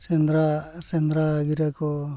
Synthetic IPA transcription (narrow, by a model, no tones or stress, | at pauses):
send̪ɾasend̪ɾaɡiɾakɔ